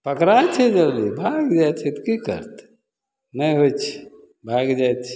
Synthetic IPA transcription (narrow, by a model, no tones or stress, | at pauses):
pəkɾajt͡ʃʰɛd͡ʒəlibʱaɡd͡ʒat͡ʃʰit̪kikə̰ɾt̪ | nəjɦot͡ʃʰi̥ | bʱaɡd͡ʒaj̪t͡ʃʰi